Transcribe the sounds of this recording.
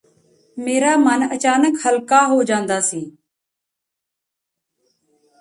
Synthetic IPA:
meːɾaːmənət͡ʃaːnəkhəlkaːɦoːd͡ʒãːnd̪aːsiː

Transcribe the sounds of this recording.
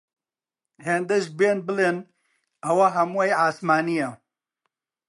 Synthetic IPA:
heːnd̪eʒbeːnbɨlen | ɐwɐɦɐmwejaːsmaːnijɐ

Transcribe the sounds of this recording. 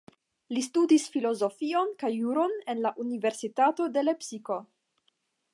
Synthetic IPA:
listudisfilo̞zo̞fio̞nkajːuɾo̞nenlaʔunive̞ɾsitato̞de̞le̞psiko̞

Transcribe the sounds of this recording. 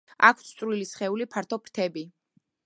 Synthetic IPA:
a̰kʰt̪sʰt̪sʼvɾlilisχɛulipʰaɾt̪ʰɔpʰɾt̪ʰɛbi

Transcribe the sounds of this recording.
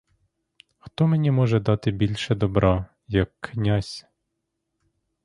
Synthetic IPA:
xt̪ɔmenʲimɔʒɛd̪ɑt̪ɪbʲilʲʃɛd̪ɔbɾʔɑ | jɐkʰːnʲasʲ

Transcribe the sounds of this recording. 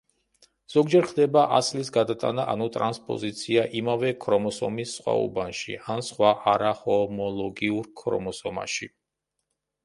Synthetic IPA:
z̥ɔɡd͡ʒɛɾχd̪ɛbaʔaslisɡad̪at̪ʼa̰naʔa̰nut̪ʼɾanspʼɔ̰zit̪sʰiaʔimavɛkʰɾɔmɔsɔ̰misːχwa̰ṵbanʃḭʔansχwaʔaɾahɔmɔlˠɔɡiuɾkʰɾɔ̰mɔsɔma̰ʃḭ

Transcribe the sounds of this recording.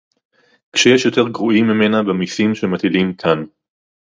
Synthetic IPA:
kʃejeʃjot̪e̞ʁɡʁuimːime̞nabemisimʃemat̪ilimkʰan

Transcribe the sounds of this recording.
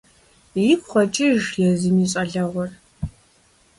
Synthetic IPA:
jikʷʰʼχʷɐt͡ʃʼiʒjɛziniːɕʼɐɮɐʁʷɔr

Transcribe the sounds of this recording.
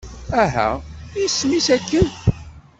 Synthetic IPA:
æɦæ̰ismisækːən

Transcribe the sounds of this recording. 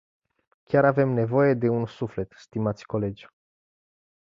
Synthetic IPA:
kʲjaɾave̞mne̞vo̞je̞d̪e̞unsufle̞t̪st̪imat̪sʲko̞le̞d͡ʒʲ

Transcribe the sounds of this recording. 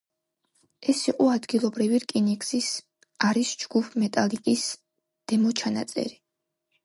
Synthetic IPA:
ɛsiqʼɔad̪ɡilˠɔbɾiviɾkʼinɛkʰsis | aɾisd͡ʒɡ̥upʰmɛt̪ʼalikʼis | d̪̥ɛmɔt͡ʃʰana̰t̪sʼɛ̰ɾi

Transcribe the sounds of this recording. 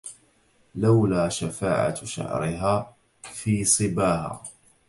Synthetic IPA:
lawlaːʃafaːʕa̰ʃa̰ʕɾɪɦaː | fiːsˤɨbaːɦa̰ː

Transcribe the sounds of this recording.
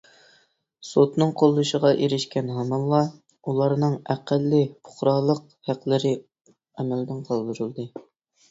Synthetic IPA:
sot̪nɨŋqʰolˠːuʃəʁɑʔeɾɪʃkʲɛnɦɑmɑlˠɑ | ulˠɑɾnɨŋæqælːɪpʰʊ̥χɾɑlˠəq | hæqlɪɾɪ | ɛmæld̪ɪnqʰɑlˠd̪ɨɾɨlˠd̪ɨ

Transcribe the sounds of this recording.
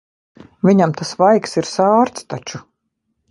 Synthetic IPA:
vʲiɲamt̪asvajksiɾsaːɾt̪st̪at͡ʃu

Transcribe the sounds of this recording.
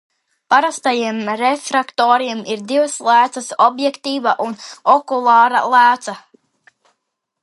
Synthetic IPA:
paɾast̪ajiɛmɾefɾakt̪oːɾimiɾd̪ivaslˠæːt̪sasɔbjɛkt̪iːvaʔunɔkulˠɑːɾa̰lˠæːt̪sa

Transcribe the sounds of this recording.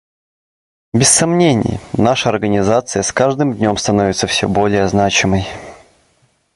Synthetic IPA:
bʲɪsːɐmnʲenʲɪ̰jnaʂəɐrɡənʲɪzat̪sɨjəskaʐd̪ɨmd̪ʲnʲo̞mst̪ɐnovʲɪt̪səfsʲɵ̰bolʲɪjəznat͡ɕɪməj

